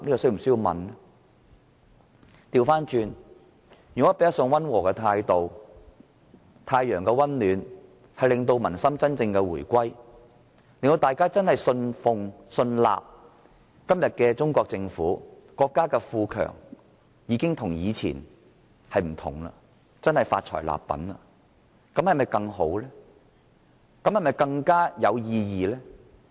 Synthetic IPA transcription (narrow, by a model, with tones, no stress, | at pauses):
niː˥kɔ˧sɵ˥jm̩˨˩sɵ˥jiː˧wmɐ̰˨n | t̪iː˧wfaː˥nt͡ʃyː˧n | jy˨ŋɔː˨˥pe˨jɐ˥tsɔ˧ŋwɐ˥nwɔː˨˩kɛ˧t̪ʰaː˧jt̪o˨w | t̪ʰaː˧jœː˨˩ŋkɛ˧wɐ˥nlyː˨˧n | hɐ˨jlɪ˨ŋt̪o˧wmɐ˨˩nsɐ˥mt͡sɐ˥nt͡sɪ˧ŋkɛ˧wuː˨˩jkʷɐ˥j | lɪ˨ŋt̪o˧wt̪aː˨jkaː˥t͡sɐ˥nhɐ˨jsɵ˧nfʊ˨˧ŋ | sɵ˧nla̰ː˨p̚ | kɐ˥mjɐ˨t̚kɛː˧t͡sʊ˥ŋkʷɔː˧k̚t͡sɪ˧ŋfuː˨˥kɔː˧kːaː˥kɛː˧fuː˧kʰœ̰ː˨˩ŋ | jiː˨˧kɪ˥ŋt̪ʰʊ˨˩ŋjiː˨˧t͡sʰḭː˨˩n | hɐ˨jm̩˨˩t̪ʰʊ̰˨˩ŋla̰ː˧ | t͡sɐ˥nhɐ˨jfa̰ː˧t̚t͡ʃʰɔ̰ː˨˩jla̰ː˨pːɐ̰˨˥nlɐ̰ː˧ | kɐ˨˥mhɐ˨jmɐ˨jkɐ˧ŋho̰˨˥wlɛː˥ | kɐ˨˥mhɐ˨jmɐ˨jkɐ˧ŋkaː˥jɐ˨˧wjiː˧jiː˨lɛː˥